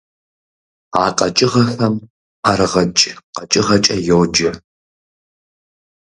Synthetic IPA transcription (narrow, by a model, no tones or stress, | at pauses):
aːqʼɐt͡ʃʼɪʁɐfɐm | aɾɨʁɐt͡ʃʼqɐt͡ʃʼɪʁɐt͡ʃʼɐjowd͡ʒɐ